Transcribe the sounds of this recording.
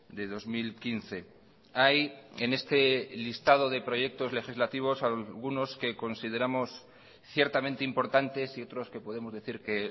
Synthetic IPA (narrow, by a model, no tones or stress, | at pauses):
d̪e̞ð̞o̞zmilkinθe̞ | ajene̞st̪e̞list̪að̞o̞ð̞e̞pɾo̞ʝe̞k̚t̪o̞zle̞xizlat̪iβ̞o̞salɣuno̞ske̞ko̞nsiðe̞ɾamo̞s | θje̞ɾt̪amẽnt̪eimpo̞ɾt̪ant̪e̞sio̞t̪ɾo̞ske̞po̞ðemo̞zðe̞θiɾke̞